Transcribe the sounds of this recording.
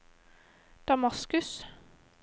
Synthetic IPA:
d̪̥ɑmɑskʉs

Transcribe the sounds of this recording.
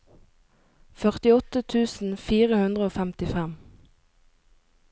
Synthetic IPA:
fœʁt̪ɪɔt̪ət̪ʰʉːsn̩fiːʁəhʉnd̪ʁəoːfæmt̪ɪfɛm

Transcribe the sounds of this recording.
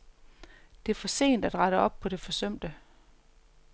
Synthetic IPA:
d̥e̝ɐfɒ̽se̝̰ːnd̥æd̥ʁɑ̈ɾəɒ̽b̥̚pʰɒ̽d̥e̝fɒ̽sœm̰d̥ə

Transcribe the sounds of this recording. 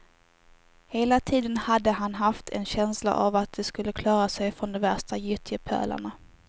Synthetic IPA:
heːlat̪ʰiːd̪ənhad̪ːəɦanɦaft̪ʰɛnɕɛnsla̰ʔavat̪̚d̪ɛskɵlːəkʰlɑːɾasɛjfɾɔnd̪ɔmvæʂtajʏt̪ʰjəpʰæ̰ːla̰ɳa

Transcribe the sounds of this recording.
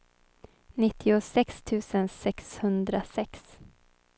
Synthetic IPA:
nɪt̪ʰːɪʊsɛkst̪ʰʉ̟ːsənsɛkshɵnd̪ɾasɛks

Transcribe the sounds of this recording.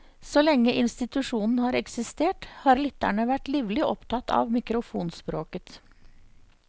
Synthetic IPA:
sɔlɛŋːəʔɪnst̪ɪt̪ʉʂuːnn̩hɑːɾɛksɪst̪eːʈhɑːɾlʏt̪ːæ̰ɳəʋæʈliːʋlɪʔɔpt̪ʰɑt̪ːɑ̰ʋmɪkɾʊfuːnspɾoːkət̪

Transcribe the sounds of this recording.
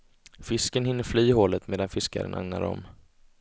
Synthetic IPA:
fɪskənhɪnːəɾflyːɦoːlət̪meːd̪anfɪska̰ɾə̰nʔa̰ŋna̰ɾɔ̰m

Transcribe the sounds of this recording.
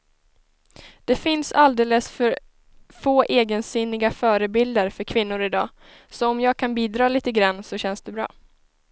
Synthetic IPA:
d̪̥ɛfɪnsald̪eːləsfœɾ | foːʔeːɡənsynːɪɡafœːɾəbɪld̪əɾfœɾkʰvɪnːʊɾɪd̪ɑː | sɔɔmjɑːɡ̚kʰanbiːd̪ɾɑːliːt̪əɡɾanːsɔɕɛnsd̪ɛbɾɑ̰ː

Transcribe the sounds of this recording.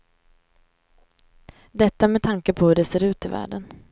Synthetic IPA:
d̪ɛt̪ːamɛt̪ʰaŋkəpʰɔhɵɖɛseːɾʉ̟ːt̪ɪvæ̰ːɖən

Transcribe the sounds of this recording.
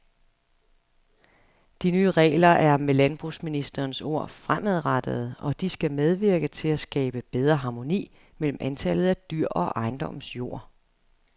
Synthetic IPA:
d̥inyːʁɛ̰ːlɐʔæɐmelænb̥ʁusminisd̥ɐːnso̝ɐ̰fʁamæð̞ˠʁɑad̥əð̞̩ˠɒ̽d̥isɡ̥æmeð̞ˠʋiɐɡ̥ət͡sʰe̝læsɡ̥ɛ̰ːb̥əb̥eð̞ˠʁɐɦɑ̈mo̝nḭː | mel̰m̩ʔænt͡sʰælð̞̩ˠæd̥yɐ̰ʔɒ̽ʔɑ̈ɪnd̥ɒ̽msjo̝ɐ̰

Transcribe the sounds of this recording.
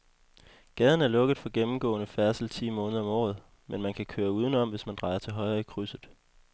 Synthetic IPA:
ɡ̥ɛð̞ˠn̩æɐlɔ̽ɡ̥əð̩ˠfɒ̽ɡ̥emm̩ɡ̥ɔ̰̽ːnəfæɐsl̩t͡sʰḭːmɔ̽ːnəð̞ˠɒ̽mɒ̰ːð̞̩ˠ | menmænkʰækʰøːɐuːð̞ˠən̩ɒ̽m̰ʋe̝smænd̥ʁɑ̈ɪɐt͡sʰe̝lɦɒ̽ɪʁɐikʰʁysð̩ˠ

